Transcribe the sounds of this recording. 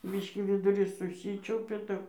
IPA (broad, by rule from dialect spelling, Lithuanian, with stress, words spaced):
ˈbʲiːʃʲkʲiː ʋʲɪdʊˈrʲiːs sʊˈsʲiːt͡ʃʲɛʊpʲɛ ˈtɐp